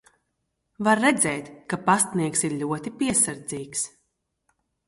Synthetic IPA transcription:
vaɾːɛd̪zɛːt̪kapast̪niɛksiɾlʲuɔt̪ipʲiɛsaɾd̪ziːks

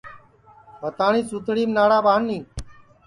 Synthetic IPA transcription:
bət̪aːɳiːsuːt̪ɽiːmnaːɽaːbʱaːnːiː

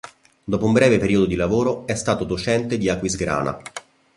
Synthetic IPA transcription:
d̪ɔːpoumbɾɛːvepeɾiːod̪od̪ilavoːɾoɛst̪aːt̪od̪ot͡ʃɛnt̪ed̪iakːwizɡɾa̰ːna̰

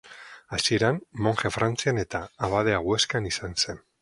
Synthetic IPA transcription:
asie̞ɾanmo̞ŋʝefɾʔant͡siane̞t̪aːβað̞e̞aɣwe̞skanisanse̞n

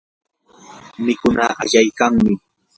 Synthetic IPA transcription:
mɪkʊnaʔa̰ʎajkaŋmɪ

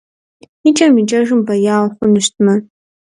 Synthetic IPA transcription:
it͡ʃʼamid͡ʒʼaʒɨmbajaːlħʷʊnɨʃtʰma

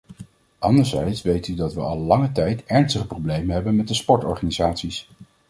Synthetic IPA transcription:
ʔɑndəɹzɛjtsʋejtydɑtʋəɑlˠːɑŋətɛjtɛɹnstəχəprowblejmənɦɛbənmɛt̚dəspɔɹtɔ̰ɹχaːnizaːtsis

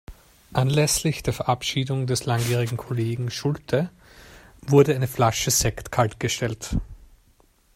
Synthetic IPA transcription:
ʔanlɛslɪçd̥eːɐfɛɐʔapʃiːdʊŋdɛslaŋɡiːʁɪɡŋ̩kʰoleːɡŋ̩ʃʊltʰə | vʊɐdəaɪnəflaʃəzɛktkʰaltɡ̥əʃtɛlt

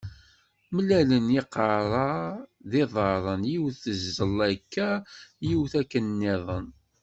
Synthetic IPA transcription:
məlæləniqɑɾˤɑðiðˤɑɾˤənjiwθəzːəlːækʰːæjiwθækːənːɪðˤən

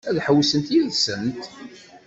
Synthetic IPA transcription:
æðħəwsənt̪jiðsənt̪

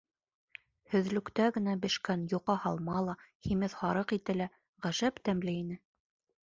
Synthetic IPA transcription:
hɵ̆ðlɵ̆kt̪æɡɘ̆næbɘ̆ʃkænjuqɑhɑlˠmɑlˠɑhimɘðhɑɾɤqit̪ɘ̆læ | ʁæʒæpt̪æmlɘinɘ

